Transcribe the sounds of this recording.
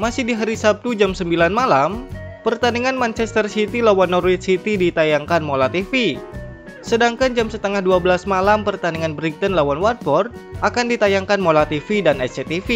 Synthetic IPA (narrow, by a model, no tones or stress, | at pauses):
masɪhdiɦaɾisap̚t̪ud͡ʒamsəmbilanmalampərt̪aniŋanmant͡ʃɛst̪ərsit̪ilawanːɔrwit̪sit̪idit̪ajaŋkanmolat̪ifi | sədaŋkand͡ʒamsət̪əŋahduabəlasmalampərt̪aniŋanbɾiŋ̚t̪ənlawanwart̪̚pɔrt̪̚ʔakandit̪ajaŋkanmolat̪ifidanɛst͡ʃet̪ifi